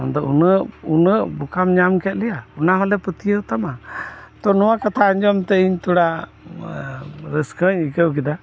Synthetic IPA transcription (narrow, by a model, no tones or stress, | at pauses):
ɔnd̪ɔʔunəʔunəʔbukamɲamkɛt̪̚ˀlɛjaunaɦɔlɛpət̪ijət̪amat̪ɔnɔwakat̪ʰaɲd͡ʒɔmt̪ɛiɲt̪uɽa | ɾəskəɲikəwk̬ɛd̪a